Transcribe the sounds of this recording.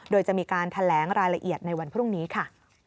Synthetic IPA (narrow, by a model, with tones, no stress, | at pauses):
doː˧jt͡ɕa˨˩ʔmiː˧kaː˧nt̪ʰa˧lɛː˩˦ŋɾaː˧jɾa˧ʔi˨˩ət̪̚na˧jwa˧npʰɾu˥˩ŋniː˦˥kʰa˥˩